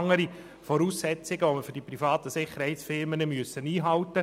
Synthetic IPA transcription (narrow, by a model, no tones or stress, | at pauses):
ŋːəɾi | fɔɾuːsːɛt͡sɪɡəʋoməfʏɾd̥iprifɑːt̪əsɪχːəɾhɛɪtsfɪɾmənəmyəsːəniːɦɑʊtə